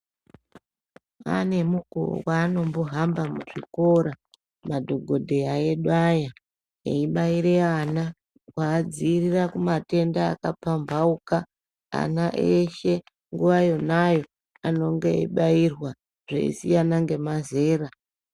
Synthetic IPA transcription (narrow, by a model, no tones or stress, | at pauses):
a̰ne̞muko̰waːno̞mboɦambamuʐiko̞ɾa | madʱo̞ɡʱo̞dʱe̞aeɗwaja | ḛiɓaiɾeana | kwaːd͡zirirakumate̞nda̰ːkapambauka | a̰naʔeʃe̞ | ŋɡuʋajo̞najo̞ | ano̞ŋɡe̞ḭɓairwa | ʐ̥ḛḭsijanaŋɡe̞maze̞ːɾa